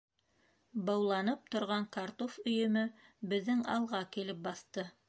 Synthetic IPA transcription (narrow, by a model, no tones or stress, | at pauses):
bɑwlˠɑnɤp̚t̪ŏɾʁɑŋkaɾt̪ofɵ̆jɵ̆mɵbɘ̆ðːɘŋɑ̰lˠʁɑkilɘp̚bɑθt̪ɤ